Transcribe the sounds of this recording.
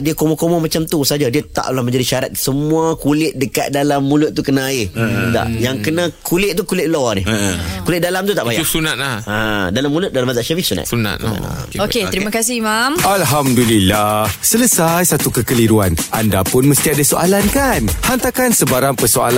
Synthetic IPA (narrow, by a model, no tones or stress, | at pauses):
diakomɔkomɔmat͡ʃamt̪usad͡ʒadiat̪a̰ʔlahməɲd͡ʒadiʃaɾat̪̚səmũakulɪʔ̪̚dəka̰t̪̚dalamːulʊt̪̚t̪ːukənaida̰ʔjaŋkənãkʰulɪt̪̚t̪ukulɪʔlonɪkulɪt̪̚dalamt̪ut̪aʔbajasunat̪̚laadalamːulʊt̪̚dalamazaʔʃafisuna̰t̪suna̰t̪̚oket̪əɾimakas̬ɪmamalɦamdulilahsələsajsat̪ukəkəliɾuanandapʊnməst̪iadasoʔalankanhant̪akansəbaɾaŋpəsoa̰la